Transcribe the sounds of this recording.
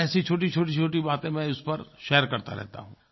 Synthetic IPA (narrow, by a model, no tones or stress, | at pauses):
ɛːsit͡ʃʰoːʈit͡ʃʰoːʈ̬it͡ʃʰoːʈibaːt̪ẽmɛ̃ʊspɐɾʃɛːəɾkɐɾt̪a̰ɾɛ̰ɦt̪a̰ɦũː